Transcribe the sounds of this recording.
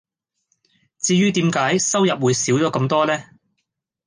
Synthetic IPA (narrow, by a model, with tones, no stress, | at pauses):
t͡siː˧jyː˥t̪iː˨˥mkaː˨˥jsɐ˥wjɐ˨p̚wuː˨˧jsiː˨˥wt͡sɔː˨˧kɐ˧mt̪ɔː˥lɛː˥